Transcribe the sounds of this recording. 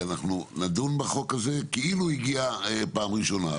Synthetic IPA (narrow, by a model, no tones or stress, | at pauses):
anaχnunadunbeχo̞kaze̞keiluiɡiapaːmʁiʃo̞na̰